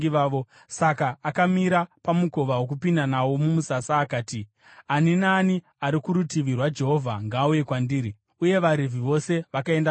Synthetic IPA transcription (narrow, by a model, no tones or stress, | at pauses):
iʋaːʋo | sakaːkamiɾapamuko̞ʋawok̬upindanawo̞mumusasaːkaːti | aninaːni | aɾikuɾutiʋirwad͡ʒe̞ɦo̞vʱaŋɡaːuje̞kwandiːɾi | uje̞ʋaɾivʱiʋo̞se̞ʋakae̞nda